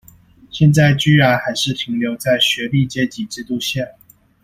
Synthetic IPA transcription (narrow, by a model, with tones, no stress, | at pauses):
ɕjɛ˥˧nt͡sa˥˩ɪt͡ɕy˥ɻa˧˥nxa˧˥ɪʂɻ̩˥˩p̪ʰi˧˥ŋljo˧˥ʊt͡sa˥˩ɪɕɥɛ˧˥li˥˩t͡ɕjɛ˥t͡ɕi˨˩ʈ͡ʂɻ̩˥˧t̪u˥˧ɕjɛ˥˩